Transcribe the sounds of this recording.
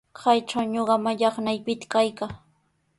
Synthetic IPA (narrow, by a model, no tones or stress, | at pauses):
kʰajʈ͡ʂawɲoɢɑmaʎɑχnajpɪt̪ḁkajkaː